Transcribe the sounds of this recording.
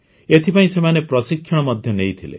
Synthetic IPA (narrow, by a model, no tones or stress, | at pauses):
et̪ʰipaĩsemanepɾɔsikʰːjɔɽ̃ɔmɔd̪ʱjɔnejt̪ʰilḛ